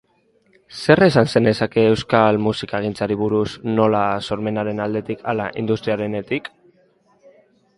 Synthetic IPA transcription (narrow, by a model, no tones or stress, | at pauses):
se̞re̞sanse̞nd̪e̞sake̞ːwskalmusikaeɣ̞int͡saɾiβ̞uɾusno̞laso̞ɾme̞naɾe̞nald̪e̞t̪ikʰa̰laʔḭnd̪ust̪ɾiaɾe̞ne̞t̪ik